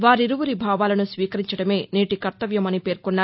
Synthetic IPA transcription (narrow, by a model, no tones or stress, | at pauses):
ʋaːɾiɾuʋuɾibʱaːʋaːlɐnusʋiːkɐɾiɲt͡ʃɐɽɐme̞ːniːʈikɐɾt̪ɐʋjɐmɐnipe̞ːɾkunːaː